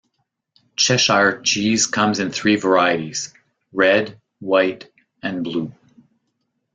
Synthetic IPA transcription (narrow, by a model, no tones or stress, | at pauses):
t͡ʃʰɛʃaɪ˞t͡ʃʰiz̥kʰʌ̃mzɨ̃nθɹivə˞aɪɨɾiz̥ | ɹɛd | waɪɾ | ɨ̃nblu